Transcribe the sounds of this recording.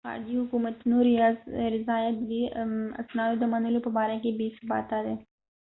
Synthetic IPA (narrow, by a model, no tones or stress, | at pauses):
xa̰ːɾd͡ʒiɦʊkuːmət̪nuːɾijaːzɾɪzaːjət̪ʋiɐ̰snaːjod̪ɐmaːnəlopɐbaːɾẽkebiːsba̰ːt̪aːd̪e